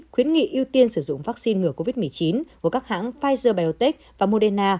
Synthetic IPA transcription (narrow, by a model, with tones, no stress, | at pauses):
xwi˨˦ənŋḭ˧˨ʔi˧əwt̪i˧ənsɨ˧˩zʊ̰˧˨ŋ͡mvaː˦˥k̚si˧nŋɨ˧˩əko˧vi˦˥t̚mɨ˨˩əjt͡ɕi˨˦nkku˧˩əkaː˦˥k̚ha̰ː˧˥ŋfaː˧jzəː˧˩ɓaː˧jo˧t̪ɛ˦˥k̚vaː˨˩mo˧ɗɛ˧naː˧